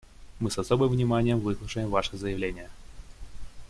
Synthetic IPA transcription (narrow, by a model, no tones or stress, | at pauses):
mɨsɐsobɨmvnʲɪmanʲɪjəmvɨslˠʊʂəjɪmvaʂɨzəjɪvlʲenʲɪjə